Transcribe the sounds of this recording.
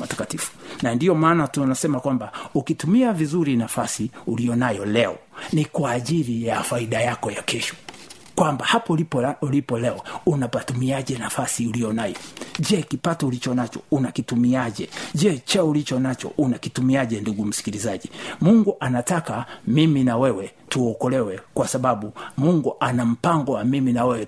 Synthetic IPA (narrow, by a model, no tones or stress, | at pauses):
atḁkatifu̥nandiɔmaːnatunasɛmakwambaukitumiavizuɾinafasiulijɔnajɔlɛɔ̰nikwaːʄiɾijafaiɗajakɔjakɛʃɔ̥ | kwambahapɔlilipɔlɛɔunapatumiaʄɛnafasiulijɔnajɔd͡ʒɛkipatɔulit͡ʃɔnat͡ʃɔunakitumiaʄɛʄɛt͡ʃaulit͡ʃɔnat͡ʃɔ̰ʔunakitumiaʄɛnduɡum̩si̥kilizaʄimuŋɡuʔanatakamiminawɛwɛ | tuɔkɔlɛwɛkwasaɓaɓumuŋɡuʔanam̩paŋɡɔwamiminawɛwɛ